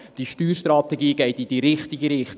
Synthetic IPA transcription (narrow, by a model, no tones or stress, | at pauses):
d̥iʃtyːɾʃtrɑt̪ɛɡiːɡɛɪtid̥iɾɪχt̪ɪɡəɾɪχt